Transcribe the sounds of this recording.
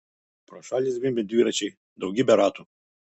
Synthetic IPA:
pɾɔʃalʲizvimbɛd̪iɾat͡ʃi | d̪auɡʲibɛɾat̪u

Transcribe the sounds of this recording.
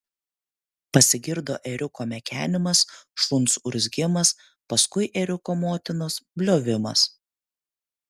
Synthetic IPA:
pɐsʲɪɡʲɪɾd̪oːʔɛɾʲʊkoːmʲɛkʲæːnʲɪmɐsʃˠʊnsʊɾʲzʲɡʲɪmɐs | pɐskʊɪʔɛɾʲʊkoːmoːt̪ʲɪnoːsbʲlʲoːʋʲɪmɐ̰s

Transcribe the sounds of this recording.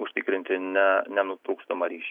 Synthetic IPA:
ʊʃʲt̪ʲɪkɾʲɪnʲt̪ʲɪnʲɛnʲɛnʊt̪ɾuːkst̪omɐɾʲiːʃʲ

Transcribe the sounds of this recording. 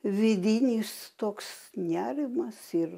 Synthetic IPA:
ʋʲɪd̪ʲɪnʲiːst̪oːksnʲæːɾʲɪmɐsɪr

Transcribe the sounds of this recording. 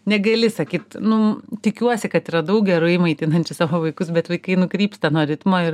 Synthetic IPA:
nʲɛɡɐlʲɪsɐkʲiːt̪nʊt̪ʲɪkʲuɔsʲɪkɐt̪iːɾɐd̪ɐʊk̚ɡʲɛɾʊɪmɐɪt̪ʲɪnɐnʲt͡ʃʲʊsɑːʋoːʋɐɪkʊsbʲɛt̪ʋɐɪkɐɪnʊkɾʲiːpst̪ɐnuɔɾʲɪt̪moːɪɾ

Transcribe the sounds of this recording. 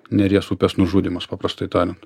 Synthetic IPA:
nʲɛɾʲiɛsuːpʲɛsnʊʒuːd̪ʲimɐspɑːpɾɐst̪ɐɪt̪ɑːlʲɪnt̪

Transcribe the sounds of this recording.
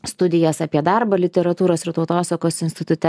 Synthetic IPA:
st̪ʊd̪ʲɪjɛsɑpʲiɛd̪ɑˑɾbɐlʲɪt̪ʲɛɾɐt̪uːɾoːsɪɾt̪ɒʊt̪oːsɐkoːsɪnʲsʲt̪ʲɪt̪ʊt̪ʲɛ

